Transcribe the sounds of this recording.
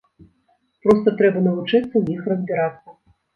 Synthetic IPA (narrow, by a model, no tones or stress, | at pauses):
pɾɔst̪ɐt̪ɾɛbɐnɐvut͡ʂɨt̪sːɐwjixrɐzʲbʲiɾat̪sːɐ